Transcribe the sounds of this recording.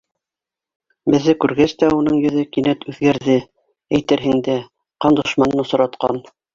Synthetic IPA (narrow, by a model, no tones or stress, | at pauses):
bɘ̆ðːɘkʉɾɡæst̪æunɤɴjɵ̆ðɘkinæt̪ʉðɡæɾðɘ | æjt̪ɘ̆ɾɦɘ̆ŋd̪æ | qɑnd̪ŏʃmɑnɤnŏsɤ̆ɾɑt̪qɑ̰n